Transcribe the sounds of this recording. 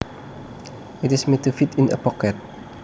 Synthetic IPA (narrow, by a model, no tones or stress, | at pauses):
itismetufitʰĩnə̰pɔkɛt̚